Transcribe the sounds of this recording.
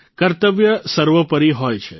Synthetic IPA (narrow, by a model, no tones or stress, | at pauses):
kəɾt̪əʋjəsəɾʋəpəɾiɦɔjt͡ʃʰe